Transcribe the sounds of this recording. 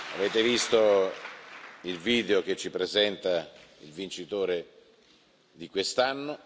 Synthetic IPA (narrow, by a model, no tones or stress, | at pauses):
aveːt̪evist̪o | ilviːd̪eok̟et͡ʃːipɾezɛnt̪ailvint͡ʃit̪oːɾe | d̪ikwest̪anːo